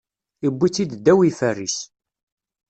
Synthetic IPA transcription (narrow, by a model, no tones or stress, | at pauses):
ibːit͡sːid̪d̪ːæwifærːis